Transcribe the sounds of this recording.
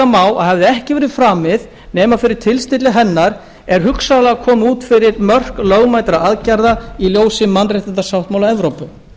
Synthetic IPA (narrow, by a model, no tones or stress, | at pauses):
amaːwa̰ðhavðɪɛhcɪvɛːɾɪfɾaːmɪð | nɛːmafɪɾɪɾ̥t̪ʰɪlst̪ɪt̪lɪɦɛnːaɾ̥ | ɛɾ̥ɦʏksalakʰɔːmuːt̪fɪɾɪɾmœr̥klœːɣmaːjt̪ɾaaðcaɾðailjoːwsɪmːanrejht̪ɪnt̪asawht̪mawlaɛvɾowpʏ